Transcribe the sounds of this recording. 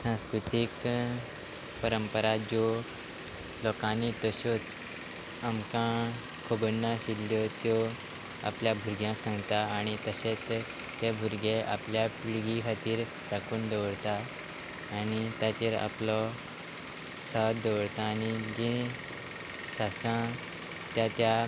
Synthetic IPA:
sãskɾut̪ik | pəɾəmpəɾad͡ʑɔ | lɔkãnːit̪əɕot̪ | amkã | kʰobənːaɕilːjɔt̪jɔ | a̰pljabʱuɾɡjãksãŋɡt̪aːɽ̃it̪əɕet͡s | t̪ebʱuɾɡeʔa̰pljapɭiɡikʰat̪iːɾ | ɾakʰuːnd̪əʋɽt̪aː | ñit̪jat͡ɕeɾa̰plɔ | sat̪d̪əʋɽt̪aːñid͡ʑĩ | ɕasã | t̪jat̪ja

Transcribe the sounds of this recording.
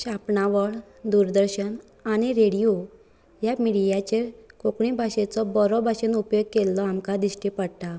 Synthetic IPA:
ɕapɳaʋəɭ | d̪uɾd̪əɾɕən | añiɾeɽijo | jamiɽijat͡ɕekokɳibʱaɕet͡sɔbɔɾɔbʱaɕenupjoɡ̚kelːɔamkad̪iɕʈipəɽt̪a

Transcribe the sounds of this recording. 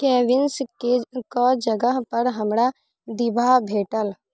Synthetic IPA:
kɛːʋɪnskekɔd͡ʒəɡəɦpəɾɦəmɾa | d̪ɪbʱabʱeːʈəl

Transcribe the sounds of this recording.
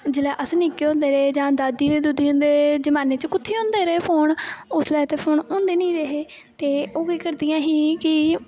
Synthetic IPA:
d͡ʒɪlɛːʔəsnɪkːeːõːnd̪eːɾeːd͡ʒãːd̪aːd̪iːeːd̪ud̪iːɦõːnd̪eːed͡ʒəmaːneːt͡ʃkʊt̪ʰːeːɦõːnd̪eːɾeːpʰoːnʊsleːt̪eːpʰoːnõːnd̪eːnĩːɾeɦeː | t̪eːoːkiːkəɾd̪ijãːɦiːkɪ

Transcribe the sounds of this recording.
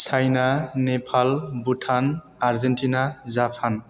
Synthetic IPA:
sʰajnanepʰalbutʰan | aɹzentinazapʰan

